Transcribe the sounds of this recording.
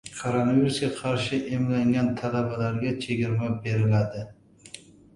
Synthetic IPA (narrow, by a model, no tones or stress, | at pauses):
kʰoɾonaviɾusɡʲaqʰɑɾʃɪʔemlaŋɡʲant̪ʰalabalaɾɡʲat͡ʃʰeɡʲɪɾmabeɾɪlad̪ɪ